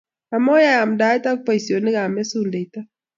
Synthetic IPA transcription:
a˨mɔ˦jaː˦˨mda˨˦ɛ˦ta˦k̚pa˦i˨sjo˨nɪ˦ɡa˨mɛ˦su˦nde˨i˨ta˦

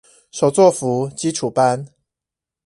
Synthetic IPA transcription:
ʂo˨˩ʊt͡swɔ˥˨fu˨˦t͡ɕi˦˥ʈ͡ʂʰu˨˩pa˦n

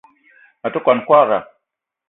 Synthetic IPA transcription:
a˨tu˦kʷa˨nkʷa˦ɾa̰˨

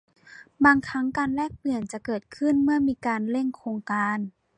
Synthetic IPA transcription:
baː˧ŋkʰa˦˥ŋkaː˧nlɛː˥˩k̚pɯ˨˩ənt͡ɕa˨˩kɤː˨˩t̪̚kʰɯ˥˩nmɯ˥˩ɐmiː˧kaː˧nle˥˩ŋkʰoː˧ŋkaː˧n

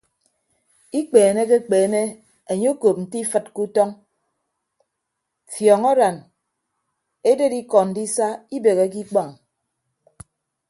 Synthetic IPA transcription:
i˦k͡peː˨ne˦k̬e˦k͡peː˨ne˦ | e˨ɲo˦ko˨p̚n̩˨ti˦fɨ˨t̚ku˦tɔ˦ŋ | fjɔ˨ŋɔ˦ɾa˨n | e˦de˦di˦kɔ˨n̩˨di˦sa˦i˦be˨ɣe˦k̬i˦k͡pa˦˨ŋ˨

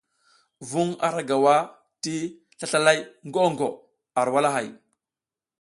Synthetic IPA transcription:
vu˦ŋa̰˨ɾa˦ɡa˨wa˦ | ti˦ | ɬa˦ɬa˦la˦jŋɡo˦ŋɡo˨ | a˨ɾwa˦la˦ɦa˨j

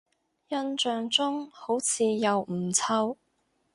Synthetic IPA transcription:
jɐ˥nt͡ʃœː˧ŋt͡sʊ˥ŋho˨˥wt͡sʰiː˨˧jɐ˨˧wm̩˨˩t͡sʰɐ˥w

